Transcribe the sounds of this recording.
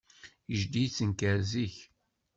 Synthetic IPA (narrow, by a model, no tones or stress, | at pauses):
əʒd̪it͡sːənkəɾziç